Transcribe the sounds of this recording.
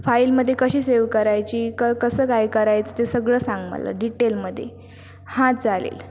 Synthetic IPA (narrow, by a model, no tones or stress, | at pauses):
failməd̪ʱːjekəɕiːseʋkəɾajt͡ɕiːkəkəsəːkajkəɾajt͡sət̪esəɡɭəːsãŋɡmə̰la̰ɖiʈelməd̪ʱːje | hãd͡zalḛl